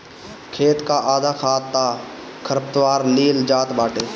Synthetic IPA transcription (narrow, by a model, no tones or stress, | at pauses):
kʰeːt̪kaːʔaːd̪ʱaːkʰaːt̪ːaː | kʰəɾəpt̪ʋaːɾliːld͡ʒaːt̪baːʈeː